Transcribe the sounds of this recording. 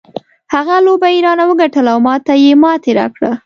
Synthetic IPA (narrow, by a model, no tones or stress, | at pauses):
haɣalobaiɾɑnawəɡaʈəlawmɑt̪ajemɑt̪eɾɑ̰kɽa̰